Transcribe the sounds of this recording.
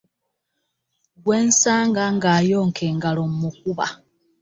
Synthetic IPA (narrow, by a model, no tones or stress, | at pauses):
ɡwe̞ːnsaːŋɡaŋɡaːjo̞ːŋkʰeːŋɡalomumuk̚uβa̰